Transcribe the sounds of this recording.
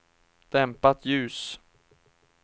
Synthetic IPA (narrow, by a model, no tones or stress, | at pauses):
d̪̥ɛmpat̪ʰjʉ̟ːs